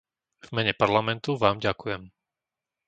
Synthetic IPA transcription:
vmɛɲɛpaɾlamɛnt̪uʋaːmɟakujɛm

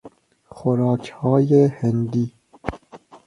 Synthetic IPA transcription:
xʊɾɑːkhɑːjehɛnd̪iː

